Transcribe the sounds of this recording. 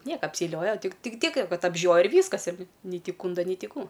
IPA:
ˈnʲiɛkɐ ɐpʲsʲɛɪˈlʲoːjɛ ˈtʲɪk ˈtʲɪk ˈtʲiɛk ˈkɐt ɐbʲˈʒʲoːjɛ ɪr ˈʋʲiːskɐs ɪr nʲɪ nʲɛɪ ˈtʲɪ ˈkuːndɐ nʲɛɪ ˈtʲɪ ˈkuː

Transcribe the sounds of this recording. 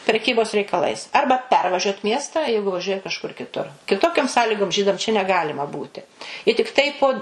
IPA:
pʲrʲɛˈkʲiːboːs rʲɛɪkɐˈlˠɐɪs ˈɐrbɐ ˈpʲɛrʋɐʒʲuɔt ˈmʲiɛstɑː ˈjɛɪɡʊ ʋɐˈʒʲuɔjɛ kɐʃˈkʊr kʲɪˈtʊr kʲɪˈtoːkʲoːm ˈsɑːlʲiːɡoːm ˈʒʲiːdɐm t͡ʃʲɛ nʲɛˈɡɑːlʲɪmɐ ˈbuːtʲɪ ɪ tʲɪkˈtɐɪ poː tʲɪktɐɪ poː

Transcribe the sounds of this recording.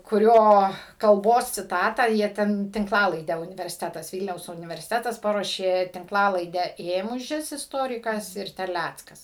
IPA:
kʊˈrʲoː kɐlˠˈboːs t͡sʲɪˈtɑːtɑː ˈjiɛ tʲɛn tʲɪŋkˈlˠɑːlˠɐɪdʲæː ʊnʲɪʋʲɛrʲsʲɪˈtʲæːtɐs ˈʋʲiːlʲnʲɛʊs ʊnʲɪʋʲɛrʲsʲɪˈtʲæːtɐs ˈpɑːruɔʃʲeː tʲɪŋkˈlˠɑːlˠɐɪdʲæː ˈeːmʊʒʲɪs ɪsˈtoːrʲɪkɐs ɪr tʲɛrʲˈlʲæt͡skɐs

